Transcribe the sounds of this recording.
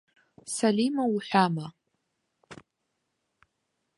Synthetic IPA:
sɐliːmɐwʊħʷᶣaːmɐ

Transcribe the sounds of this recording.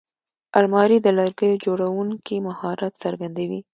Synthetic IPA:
almɑɾid̪əlaɾɡəjod͡ʒoɽawuŋkimahɑɾat̪səɾɡand̪awi

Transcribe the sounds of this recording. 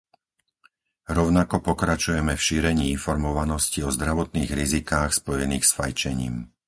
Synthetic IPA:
ɾɔʊnakɔpɔkɾat͡ʃujɛmɛfʃiːɾɛɲiːinfɔɾmɔʋanɔsciɔzd̪ɾaʋɔt̪̚niːɣɾizikaːxspɔjɛniːxsfajt͡ʃɛɲḭːm

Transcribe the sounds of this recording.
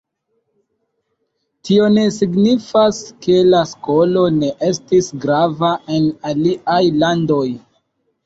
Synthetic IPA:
tio̞ne̞siɡnifaske̞lasko̞lo̞ne̞ʔe̞stisɡɾavaʔe̞naliʔajlando̞j

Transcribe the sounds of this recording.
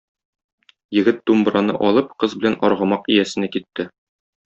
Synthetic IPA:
jɘ̆ɡɘt̪̚d̪umbɾɑnɤ̰ʔɒlˠɤp̚qɤzbɘ̆lænɒɾʁɤ̆mɑqijæsɘ̆nækit̪ːɘ

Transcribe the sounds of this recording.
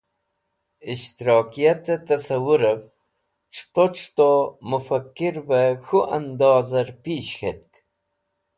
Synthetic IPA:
iʃt̪iɾɑːkijat̪et̪ɐsawuɾav | ʈ͡ʂʰt̪oʈ͡ʂʰt̪omufakːiɾbexuʔand̪ɑːzɐɾpiːʃxet̪̚k

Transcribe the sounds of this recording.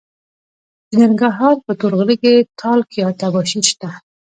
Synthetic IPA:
nəŋɡaɦɑɾpət̪uɾɣliket̪ʰɑlkijɑt̪abɔʃiʃt̪a

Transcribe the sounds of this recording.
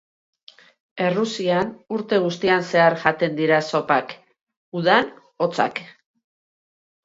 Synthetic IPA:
e̞rusianuɾt̪e̞ɣ̞ust̪ianse̞aɾʝat̪e̞nd̪iɾaso̞pak | uðan | o̞t͡sa̰k

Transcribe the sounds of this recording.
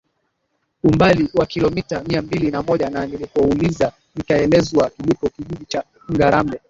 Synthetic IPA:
umbaliwakilɔmitamiambilinamɔʄananilipɔuliza | nikaɛlɛzwakilikɔkiʄiɗit͡ʃa | ŋɡaɾambɛ

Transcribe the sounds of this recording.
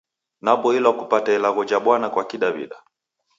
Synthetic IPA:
napɔilwakupatailaɣɔd͡ʒaɓwanakwakiɗaβḭɗa

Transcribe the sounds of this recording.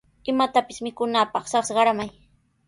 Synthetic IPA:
ɪmat̪apɪsmɪkʊnaːpɑχsɑχsɢɑɾamaj

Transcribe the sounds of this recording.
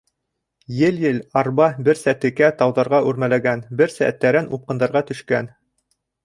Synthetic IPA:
jɘljɘlɑɾbɑbɘɾsæt̪ɘ̆kæt̪ɑwðɑɾʁɑʔʉɾmælæɡænbɘɾsæ̰æt̪ːæɾɘnup̚qɤ̆nd̪ɑɾʁɑt̪ɵ̆ʃkæn

